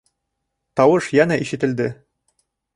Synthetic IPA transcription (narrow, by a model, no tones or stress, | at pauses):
t̪ɒwɤʃjænæʔiʃɘ̆t̪ɘ̆ld̪ɘ